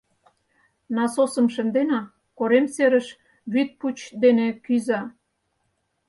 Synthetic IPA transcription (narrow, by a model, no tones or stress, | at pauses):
nɑsosə̆mʃə̆nd̪enɑ | koɾemseɾə̆ʃ | βyt̪̚put͡ɕd̪enekyzɑ